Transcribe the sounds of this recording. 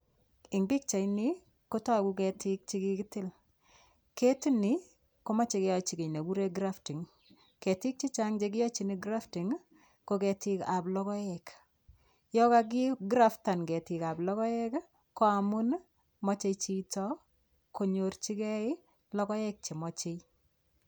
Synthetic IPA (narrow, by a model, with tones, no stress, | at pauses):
ɪ˨ŋbɪ˦k̚t͡ʃa˨jni˦ | ko˦tɔ˦a˨ku˦kɛ˨tɪ˦k̚t͡ʃi˦ki˦kɪtɪ˦l | ke˦ti˦ni˦ | ko˦ma˦t͡ʃe˨kɪ˦ɔ˨t͡ʃi˨ke˨ne˨bu˦ɾe˦ɡɾa˦ftɪ˨ŋ | ke˨tɪ˦k̚t͡ʃi˦t͡ʃa˦ŋd͡ʒe˦k̬ɪ˦jɔ˦t͡ʃi˨ni˦ɡɾa˦ftɪ˨ŋ | ko˦kɛ˨tɪ˦ka˨blɔ˦kɔ˦ɛk | jɔ˦ka˦k̬ɪ˦ɡɾa˦fta˨nɡɛ˨tɪ˨ka˨blɔ˦kɔ˦jɛ˦k | ko˦a˨mʊ˦n | mɔ˦t͡ʃe˧t͡ʃi˦tɔ˦ | ko˨ɲo˨rt͡ʃi˦kɛ˦ɪ˦ | lɔ˦kɔ˦ɛ˦k̚t͡ʃe˨mɔ˨t͡ʃe˦j